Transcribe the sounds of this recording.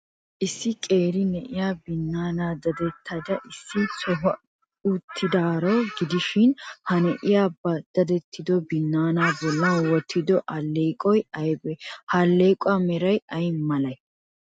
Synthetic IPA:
ʔɪsːɪkʼeːɾɪnɛʔɪjaːbɪnːaːnaːd̪ɐd̪ɛt̪ʰːɐd̪ɐʔɪsːɪt͡sɔɦɔ | ut̪ʰːɪd̪aːɾɔɡɪd̪ɪʃɪnhɐnɛʔɪjaːbɐd̪̥ɐd̪ɛt̪ʰːɪd̪ɔbɪnːaːnaːbɔlːɐnwɔt̪ʰːɪd̪ɔʔɐlːeːkʼɔjɐjbɛhɐlːekʼʊamɛɾɐjɐjmɐlɐj

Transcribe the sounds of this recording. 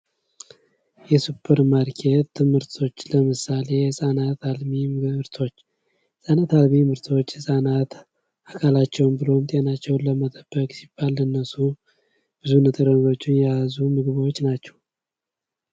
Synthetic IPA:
jɛsɨpʰːəɾmaɾkʰet̪ːɨmhɨɾt̪ʰo̞t͡ʃːləmɨsale̞jɛsʼanat̪almimɨɾt̪ʰo̞t͡ʃː | sʼanat̪almimɨɾt̪ʰo̞t͡ʃːɛsʼanat̪ | ʔakʰalat͡ʃːɛwmbɨlo̞mt̪ʼenat͡ʃːɛwnləmət̪ʼəb̥ːəkʼsib̥ːalɨnːəsu | b̥ɨzunət̪ʼəɾənɡo̞t͡ʃːɪnjɛazumɨɡɨβwot͡ʃːnat͡ʃːɛ̥w

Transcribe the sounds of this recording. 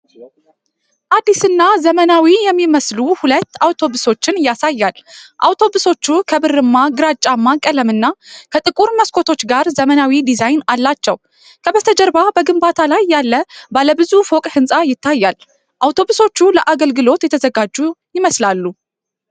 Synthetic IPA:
ʔad̪ːisɨnːazəmənawijɛmːiməsluhulət̪ːawt̪ʰo̞βɨso̞t͡ʃːɪnjasajːalʔawt̪ʰo̞bɨso̞t͡ʃːukʰəbɨrːɨmːaɡɨɾat͡ʃʼːamːakʼələmɨnːakʰət̪ʼɨkʼuɾməskʰo̞t̪ʰo̞t͡ʃːɡaɾzəmənawid̪izajnalːat͡ʃːɛ̰w | kʰəbət̪ʰəd͡ʒəɾbabəɡɨmbat̪ʰalajːalːəbaləbɨzufokʼhɨnsʼajɪt̪ːajːal | ʔawt̪ʰo̞βɨso̞t͡ʃːuləʔaɡəlɡɨlo̞t̪jɛt̪ʰəzəɡad͡ʒːujɪməslalːu

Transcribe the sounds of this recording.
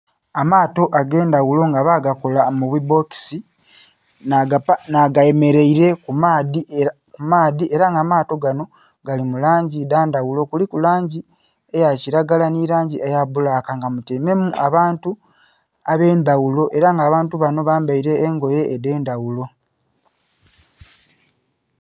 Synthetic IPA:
amaːto̞ʔaɡe̞ːndawulo̞ŋɡaβaːɡakolamuβwibo̞ki̥si | naɡaje̞me̞ɾe̞iɾe̞kumaːði | kumaːðiʔe̞ɾaŋɡamaːto̞ɡano̞ | ɡ̥alimulaːɲɟidaːndawulo̞kulikulaːɲɟi | ejaciɾaɡalaniɾaːɲɟiʔejaβulakaŋɡamuteme̞muʔaβaːntu | aβe̞ːnd̪awulo̞ʔe̞ɾaŋɡaːβaːntuβano̞βaːmbaiɾe̞ːŋɡo̞je̞ːde̞ːndawulo̞

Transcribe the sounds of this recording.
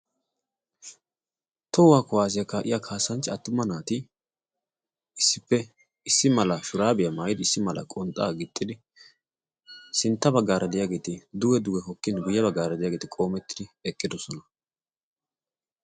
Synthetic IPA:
t̪ɔwwaːkɔwaːs̬ɪjɐkaːʔɪ̰jakʰaːsːɐnt͡ʃːɪɐt̪ːʊmːɐnaːt̪ɪ | ɪsːɪpːɛ | ɪsːɪmɐlɐʃʊɾaːbɪjɐmaːjɪd̪ɪɪsːɪmɐlɐ̰kʼɔnt̪ʼːaːɡɪt̪ʼːɪd̪ɪ | sɪnt̪ːɐbɐɡːaːɾɐd̪ɪjaːɡeːt̪ɪd̪ʊwɛd̪ʊɡɛɦɔkːɪnɡʊjːɐbɐɡːaːɾɐd̪ɪjaːɡeːt̪ɪkʼo̞ːmɛt̪ːɪd̪ɪɛkʼːɪd̪ɔsɔnɐ

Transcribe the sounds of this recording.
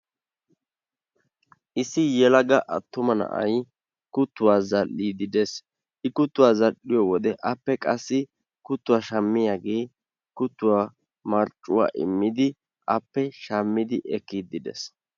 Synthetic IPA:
ʔɪsɪjɛlɐɡɐʔɐt̪ːʊmɐnɐ̰ʔɐ̰j | kʊt̪ːʊwaːzɐlːiːd̪ɪd̪es | ʔɪkʊt̪ːʊwaːzɐɗɪjɔwɔd̪ɛʔɐpːɛkʼɐsːɪ | kʊt̪ːʊwaːʃɐmːɪjaːɡeː | kʊt̪ːʊwaː | mɐɾt͡ʃʼːʊwa̰ːʔɪ̰mːɪd̪ɪ | ʔɐpːɛʃɐmːɪd̪ɪʔɛkːid̪ɪd̪ɛ̰s

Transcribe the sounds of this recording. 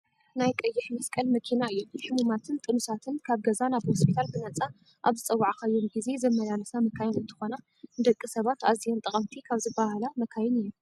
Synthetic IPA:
najkʼɐjːɪħmɐskʼɐlmɐkʰinaɨjːuħɨmumat̪ʰɨnt̪ʼɨnusat̪ʰɨnkʰaβɡɐzanaβhospʰit̪ʰalbɨnɐt͡sʼa | ʔaβzɨt͡sʼɐwːaʕakaɨjːomɡize̞zɐmːɐlalɐsamɐkʰajɪnɨnt̪ʰɨ̥xo̞na | nd̪ɐkʼːisɐβat̪a̰zijont̪ʼɐχʼɐmt̪ʰikʰaβzɨbahalamɐkʰajɪnɨjːu

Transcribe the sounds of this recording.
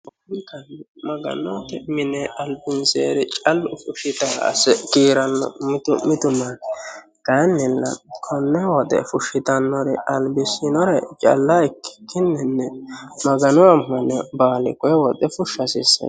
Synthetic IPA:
ʊɪnkɐnːɛmɐɡɐ̰nɔt̪ɛmɪnɛɐlbɪnseːɾɛt͡ʃʼɐlːʊfʊʃɪt̪aɐ̰sɛkiːɾɐnːɔ̰mɪt̪ʊmɪt̪ʊman | ɡ̥anːɪlːɐ̰kʰɔnːɛwɔt̪ɛ̰fʊʃɪt̪ɐnːɔɾɛɐlbɪsɪnɔɾɐt͡ʃʼɐ̰lːaɪkːɪ̥kʰːɪnːɛnːɛmɐɡɐnʊɐmːɐnɛbaːlɪ̰kɔjwɔt̪ɛfʊʃɐsɪsɐ̰

